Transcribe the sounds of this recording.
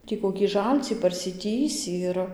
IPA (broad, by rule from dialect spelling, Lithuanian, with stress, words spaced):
ˈtʲiː koːkʲiː ˈʒɐlʲt͡sʲiː pɐrʲsʲɪˈtʲiːsʲiː ɪr